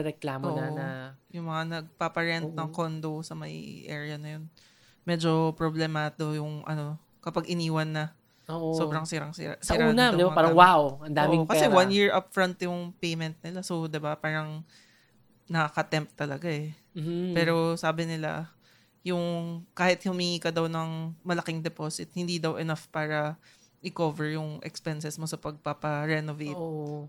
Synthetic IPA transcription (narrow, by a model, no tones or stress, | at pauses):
ɛɾɛklaːmʔoːʔnaɐjʊŋmɐŋanɐɡ̚papɐɹɛnt̪̚nɐŋkond̪owsɐmɐjʔɛ̰ɹɪjɐnɐjo̞n | mɛd͡ʒo̞pɹoblɛmaːd̪ojʊŋʔɐ̰no̞ | kɐpaɡɪniːwɐnːɐ | oʔoso̞bɾɐŋsiɾɐŋsɪ̰a̰siːɾauːnɐd̪ɪbamaːɾɐwawʔɐnd̪aːmɪkɐsɛwanjɪɹʔapfɹɐnt̪jʊŋpejmɛnt̪̚nɪlasowd̪ɪbapaːɾɐŋ | nɐkakɐt̪ɛmp̚t̪ːɐlɐɡaɛ | pɛːɾo̞saːbɪnɪla̰ | jʊŋkaːhɪt̪̚hʊmiŋiːkɐd̪ɐwnɐŋmɐlɐkɪŋd̪ɛposɪt̪̚hɪnd̪iːd̪ɐwʔɛnafpaːɾɐ | ʔɪkovɛɹjʊŋʔɛ̰kspɛnsɛsmosɐpɐɡ̚papɐɾɛnovejt